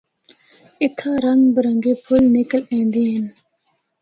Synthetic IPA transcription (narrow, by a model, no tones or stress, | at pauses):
it̪ʰaːɾɐŋɡbəɾɐŋɡepʰʊlnikəlẽnd̪in